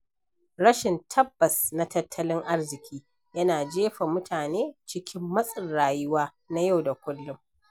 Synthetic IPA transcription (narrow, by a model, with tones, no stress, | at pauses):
ɽɐ˦ʃɪ˨ntʰɐ˦bːɐ˨sna˦tɐ˦tʰːɐ˦lɪ˦ŋʔa˦rzɪ˨kʲʰiː˦ | jɐ˦naː˨d͡ʒeː˦ɸa˨mʊ˦tʰaː˨neː˦t͡ʃɪ˦kʲɪ˦mːɐ˦sʼɪ˨nɽaː˨jʊ˦waː˦ | na˦ja˦wda˨kʷʊ˦lːʊ˦m